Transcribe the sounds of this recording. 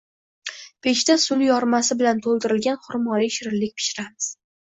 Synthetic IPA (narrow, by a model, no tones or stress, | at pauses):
pʰe̞ʃt̪asʊljɒɾmasɪbɪlant̪ʰolˠd̪ɪɾɪlɡʲanχʊɾmɒɾiʃɪɾɪlːɪkʲpʰɪ̥ʃɪɾamɪz̥